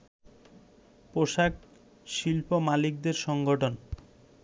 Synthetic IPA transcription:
poʃak̚ | ʃilpomalik̚d̪eɾʃɔŋɡoʈʰon

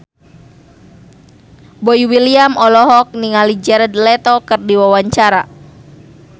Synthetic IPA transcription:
bɔiwiliamɔlɔɦɔk̚niŋalid͡ʒɛɾɛd̪̚lɛt̪ɔkɨrdiwawaɲt͡ʃaɾa

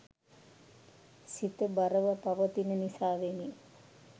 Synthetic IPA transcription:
sit̪əbaɾəʋəpaʋət̪inənisaːʋeni

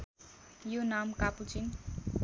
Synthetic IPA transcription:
jonamkaput͡sin

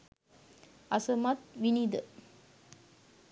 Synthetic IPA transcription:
ɐsəmɐt̪ʋinid̪ə

